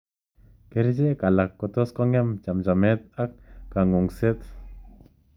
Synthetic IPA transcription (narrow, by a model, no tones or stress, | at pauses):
keɾd͡ʒekalakːɔt̪ɔskɔŋamt͡ʃamd͡ʒamet̪̚ak̚ːaŋuŋset̪